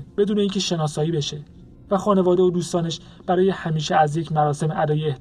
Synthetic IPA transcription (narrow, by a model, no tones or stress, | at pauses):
b̥e̞d̪uːneiːŋcʰe̞ʃe̞nɒːsɒːiːbe̞ʃe̞ | væxɒːne̞vɒːd̪eod̪uːst̪ɒːne̞ʃ | b̥æɾɒːje̞hæmiːʃeæzjecʰmæɾɒːse̞meʔæd̪ɒːjeeh